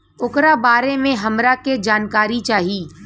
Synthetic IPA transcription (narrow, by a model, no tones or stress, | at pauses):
ʊkɾabaːɾemẽɦɐmɾaked͡ʒaːnkaːɾit͡ʃaːɦiː